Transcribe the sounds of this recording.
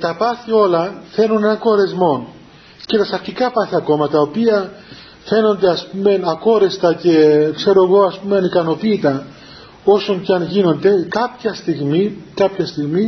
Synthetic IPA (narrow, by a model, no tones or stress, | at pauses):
t̪ɐpɐθio̞lɐθe̞nune̞nɐŋko̞ɾe̞zmo̞n | cet̪ɐsɐɾçikɐpɐθiɐko̞mɐt̪ɐopiɐ | fe̞no̞nd̪e̞ɐspume̞nɐko̞ɾe̞st̪ɐce̞kse̞ɾoɣo̞ɐspumeɐnikɐno̞piːt̪ɐ | o̞so̞ɲcɐnʝino̞nd̪e̞kɐpçɐst̪iɣmikɐpçɐst̪iɣmi